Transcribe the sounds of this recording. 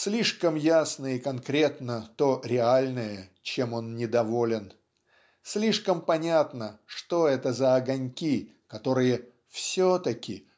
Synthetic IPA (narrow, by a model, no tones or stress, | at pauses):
sʲlʲiʂkəmjasnəikɐnkɾʲe̞t̪nət̪oɾʲɪalʲnəjət͡ɕe̞mo̞nnʲɪd̪ɐvo̞lʲɪn | sʲlʲiʂkəmpɐnʲat̪nəʂt̪o̞ɛt̪əzəɐɡɐnʲkʲi | kɐt̪o̞ɾɨjə | fsʲot̪əkʲɪ